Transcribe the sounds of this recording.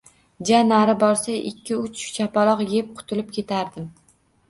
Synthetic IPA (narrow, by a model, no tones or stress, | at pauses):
d͡ʒanaɾɪbɒɾsaʔɪkʲʰːɪʊt͡ʃt͡ʃʰapalˠɒqjep̚qʰʊ̥t̪ʰɪlɪp̚kʲʰe̞t̪ʰaɾd̪ɪm